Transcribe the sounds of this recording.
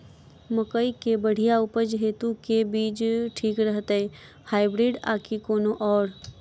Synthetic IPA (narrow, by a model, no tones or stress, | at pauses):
məkəikebəɽ̤ijaʊpəd͡ʒɦeːt̪ũkebiːd͡ʒʈʰiːkɾəɦt̪əe | haːɪbɾiːɖa̰ːkʰikoːnoʔɔːɾ